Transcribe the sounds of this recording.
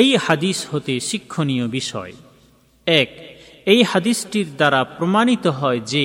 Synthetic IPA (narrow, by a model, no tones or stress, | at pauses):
ejhad̪ishot̪eʃikʰːonijobiʃɔ̰e | ɛk | ejhad̪isʈiɾd̪aɾapɾomanit̪oɦɔed͡ʑe